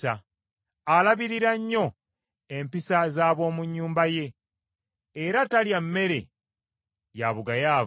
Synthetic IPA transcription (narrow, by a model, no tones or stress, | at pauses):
aː | laβiɾiɾaɲːo̞ | empisazaːβo̞ːmuɲːuːmbaje̞ | ɾataljamːe̞ɾe̞̰ | jaβuɡajaː